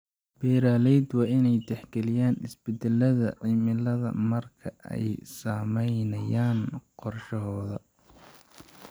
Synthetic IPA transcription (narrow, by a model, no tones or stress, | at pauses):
b̥ɛːɾaːlɛjd̪wɑːɪnɛjt̪ɛħɡɛlɪjaːnɪsbɛd̪ɛlɐðɐʕimɪlɐðɐ̰mɐrkʰɐʔɛ̰jsaːmɛjnɐjaːnqɔrʃɐɦɔːðɐ